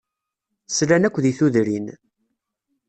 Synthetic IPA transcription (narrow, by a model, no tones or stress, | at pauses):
slænækʷːðiθuðɾin